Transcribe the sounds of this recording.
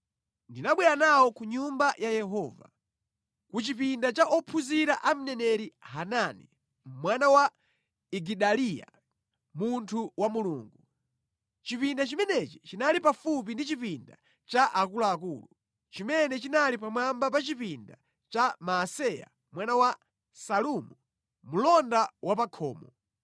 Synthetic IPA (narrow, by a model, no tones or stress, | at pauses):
ndinaɓwɛɾanawɔkuɲumbajajɛɦɔːva̰ | kut͡ʃip̬indat͡ʃaʔɔpʰuziɾaʔam̩nɛnɛɾiɦananḭ | mwanawa | iɡiɗalija̰ | muntʰuwamuluːŋɡu | t͡ʃipindat͡ʃimɛnɛt͡ʃi̥t͡ʃinalipafup̬indit͡ʃipinda̰ | t͡ʃaʔakulaːk̬uːlu | t͡ʃimɛnɛt͡ʃinalipamambap̬at͡ʃipinda | t͡ʃamaːsɛja̰ | mwanawa | salumu | mulɔndawapakʰɔ̰ːmɔ